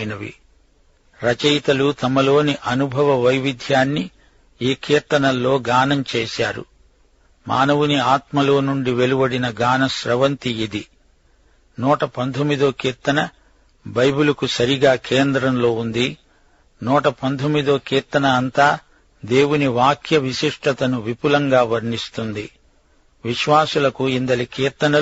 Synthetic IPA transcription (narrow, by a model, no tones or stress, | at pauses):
nɐʋḭ | ɾɐt͡ʃɐjt̪ɐlut̪ɐmɐlo̞ːniʔɐnubʱɐʋɐʋɐjʋid̪ʱjaːnːi | iːkʰiːɾt̪ɐnɐlːo̞ːɡaːnɐmt͡ʃeːʃaːɾṵ | ma̰ːnɐʋuniaːt̪mɐlo̞ːnuɳɖiʋe̞lubɐɽinɐɡaːnɐʃɾɐʋɐnt̪ijid̪i | nuːʈɐpɐnt̪ʰomːid̪oːkiːɾt̪ɐnɐ | bɐjbulɐkusɐɾiɡaːkʰeːnd̪ɾɐmlo̞ːund̪i | nuːʈɐpɐnt̪omːid̪oːkiːɾt̪ɐnɐːnt̪aː | d̪e̞ːwuniʋaːkʰjɐʋiʃiʂʈɐt̪ɐnuʋipulɐŋɡaːʋɐɾɳist̪und̪ḭ | ʋiʃʋaːsulɐkuind̪ɐlikiːɾt̪ɐnɐ